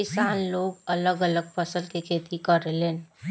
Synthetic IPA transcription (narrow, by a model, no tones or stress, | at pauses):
ɪsaːnloːɡɐləɡələɡ̚fəsəlkikʰeːt̪ikəɾeleːn